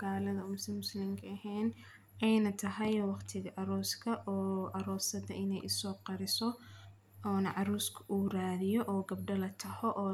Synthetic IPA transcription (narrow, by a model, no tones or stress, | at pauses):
ɣaːlɐðɐmʊsɪmʊslɪmkʰɐɐɦɛːn | ɛjnɐt̪ʰɐɦɐjwɑqt̪ʰɪɣɐʔɐɾɔːskʰɐʔɔːʔɐɾɔːsɐd̪ɐʔɪnɛjʔʊsɔːqɑɾɪsɔ | ɔːnɐʕɑɾuːskʰɐʔuːraːðɪjɔʔɔːɡɐb̚ɖɐlɐt̪ʰɐhɔʔɔː